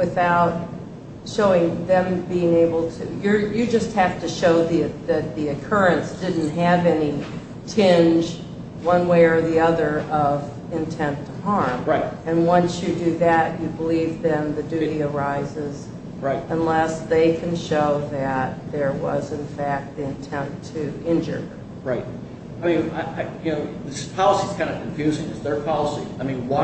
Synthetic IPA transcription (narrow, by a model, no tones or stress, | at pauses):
wɨθaʊt̚ | ʃoʊɪ̃ŋðɨ̃mbiɪ̃ŋeɪbl̩ˠtʰɨjə˞jɨd͡ʒʌst̚hæftɨʃoʊðiɨðɨt̪̚ðiɨkʰɜ˞ɨ̃nsd̥ɪdⁿn̩t̚ɦɨvɛni | tʰɪ̃nd͡ʒ | wʌ̃nweɪə˞ðiʌðə˞ʔʌv | ɨ̃ntʰɛ̃ntʰəhɑɹmɹaɪɨ̃nwʌ̃nsjɨdɨðɨt͡ʃɨbəlivðɨ̃nðɨdʉɾiə˞aɪzɪz | ɹaɪt̚ə̃nlɛsðeɪkʰɨ̃n̩ʃoʊðɨt̪̚ðə˞wʌzɨ̃nfæk̚t̪̚ðiɨ̃ntʰɛ̃ntʰɨɪ̃nd͡ʒə̰˞ | ɹaɪt̚ | aɪmĩnaʔaɪjɨnoʊðɪspʰɑlˠəsiz̥kʰãɪ̃ndɨkʰɨ̃ɱfjʉzɪ̃ŋɨzðə˞pʰɑlˠəsḭaɪmĩnwa